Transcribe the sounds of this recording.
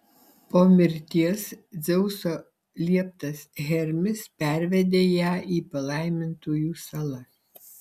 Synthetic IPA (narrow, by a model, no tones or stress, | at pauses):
poːmʲɪɾʲt̪ʲiɛsd̪zʲɛʊsoː | lʲiɛp̚t̪ɐsɣʲɛɾʲmʲɪspʲæɾʲʋʲɛd̪ʲeːjæːiːpɐlˠɐˑɪmʲɪnt̪oːjuːsɐlˠɐ